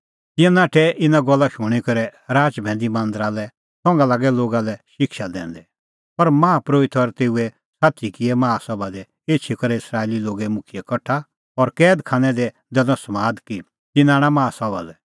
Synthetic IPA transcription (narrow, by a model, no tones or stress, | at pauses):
t̪ɪãnaːʈʰɛʔɪnãɡɔlːaʃʊɽ̃ikɐɾɛɾaːt͡ʃbʱɛ̃ːnd̪imãːnd̪əɾalɛ | sɔ̃ŋɡalaːɡɛloːɡalɛʃɪkʃad̪ɛ̰̃ːnd̪ɛ | pɐɾmãːapɾoːit̪ʰɔɾt̪eːuɛ | sat̪ikɪɛmaːsɔbad̪ɛ | eːt͡ʃʰikɐɾɛɪsɾaːeːliloːɡɛmʊkʰɪjɛkɐʈʰa | ɔɾkɛːd̪kʰãːñɛd̪ɛ | d̪ɛlɔ̃smaːd̪ki | t̪ɪnãːɽ̃amaːsɔba̰lɛ